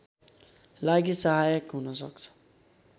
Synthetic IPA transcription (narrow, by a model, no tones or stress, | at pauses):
laɡisʌɦajʌkɦunʌsʌ̰kt͡sʰʌ̥